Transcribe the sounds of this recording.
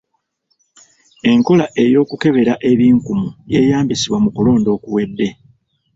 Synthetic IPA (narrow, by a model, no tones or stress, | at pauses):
e̞ŋko̞laʔe̞jo̞ːkuke̞βe̞ɾaʔe̞βiːŋkumuje̞ːjaːmbisiβwamukulo̞ːndo̞ːkuwe̞dːe̞